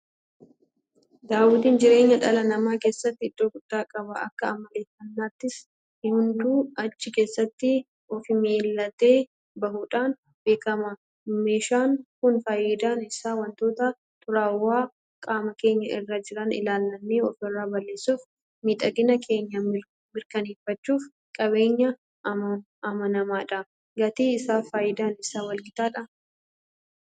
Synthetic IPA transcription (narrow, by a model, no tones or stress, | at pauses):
d̪aːwɪd̪iːnd͡ʒɪɾe̞ːɲːɐᶑɐlɐnɐmaːke̞ːsːɐt̪ːɪɪᶑuːɡʊd̥ːaːkʼɐbɐɐ̰kːɐːmɐle̞ːfːɐnːaːt̪ːɪs | hʊnd̪uːɐt͡ʃːɪke̞ːsːɐt̪ːɪ | ɔfɪmeːlːɐt̪e̞ː | bɐhuːᶑaːn | be̞ːkɐmɐ | me̞ːʃaːŋkʊnfɐjɪd̪aːnɪsːaːwɐnt̪o̞ːt̪ɐ | t̪ʼʊɾaːwaː | kʼaːmɐke̞ːɲːɐʔɪrːad͡ʒɪɾɐnɪ̰laːlːɐnːeːɔfɪrːaːbɐlːeːsːuːf | miːᶑ̪ʼɐɡɪnɐkʰe̞ːɲːɐ | mɪɾkɐneːfːɐt͡ʃːuːf | kʼɐβe̞ːɲːɐ | ɐmɐnɐmaːᶑɐ | ɡɐt̪iːɪsaːfaːjɪd̪aːnɪsaːwɐlɡɪt̪aːᶑɐ